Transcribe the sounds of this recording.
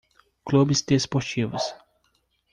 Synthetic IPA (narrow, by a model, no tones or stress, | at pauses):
klubist̪espɔʃt͡ʃivɐ̰s